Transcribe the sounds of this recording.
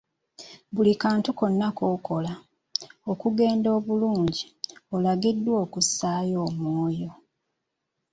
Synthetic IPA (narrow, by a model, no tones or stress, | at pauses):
bulikaːntuko̞nːako̞ko̞la | okuɡe̞ːndo̞ːβuluːɲɟiolaɡidːwo̞ːkusaːjo̞ːmwoːjo̞